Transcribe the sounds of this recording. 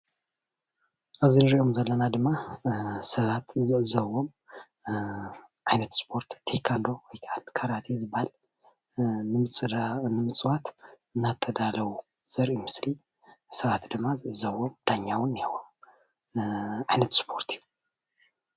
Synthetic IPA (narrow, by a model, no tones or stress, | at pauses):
ʔaβzinɨɾiʔo̞mzɐlːɐnad̪ɨmːasɐβat̪zɨʕɨzɐwo̞m | ʕajnɐt̪spʰo̞ɾt̪t̪ʰekʰand̪o̞wɔjkʰaankʰaɾat̪ʰizɨbahal | nɨmɨt͡sʼnɨmɨt͡sʼwat̪ | ɨnːat̪ʰːɐd̪alɐwu | z̥ɐɾʔimɨsli | sɐβat̪d̪ɨmːazɨʕɨzɐβomd̪̥aɲːawɨnːihawom | ʕajnɐt̪spʰoɾt̪ʰiju